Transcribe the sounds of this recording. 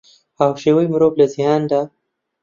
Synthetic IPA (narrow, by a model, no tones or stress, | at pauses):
awʃewəjmɾoblazjɑnd̪a